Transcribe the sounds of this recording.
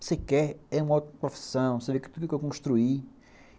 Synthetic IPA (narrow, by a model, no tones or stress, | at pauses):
sekɛɾɛũmɐot̪imɐpɾofi̥sɐ̃w̃sevekt̪ukukewkõʃt̪ɾui